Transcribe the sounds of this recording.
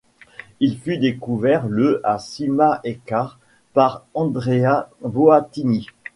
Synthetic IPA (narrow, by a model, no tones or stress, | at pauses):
ilfyd̪ekuvɛʁləʔasimaʔekaʁ | paʁɑ̃d̪ʁeavoat̪ini